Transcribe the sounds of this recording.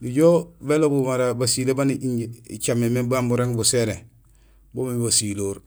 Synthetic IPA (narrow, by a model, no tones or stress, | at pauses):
diɟoːbelobumaɾabasilebaniiḭt͡ʃamːemebambuɾeŋbuseɾe | bomeibasiloːɾ